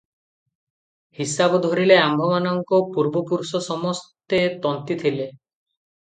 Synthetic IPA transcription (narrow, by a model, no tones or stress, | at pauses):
hisabɔd̪ʱɔɾileambʱɔmanɔŋkɔpuɾbɔpuɾusɔsɔmɔst̪et̪ɔnt̪it̪ʰile